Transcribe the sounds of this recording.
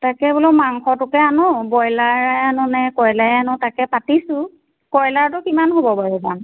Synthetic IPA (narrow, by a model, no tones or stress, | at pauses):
takɛbolomaŋxɔtʊkɛanɔbɔjlaɹɛanʊnɛkɔjlajanʊtakɛpatisʊ̃ | kɔjlaɹtʊkimanɦobɔbaɹɛzam